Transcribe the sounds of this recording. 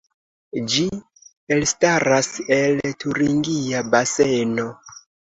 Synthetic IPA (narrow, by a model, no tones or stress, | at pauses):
d͡ʒi | e̞lstaɾase̞ltʰuɾiŋɡiabase̞no̞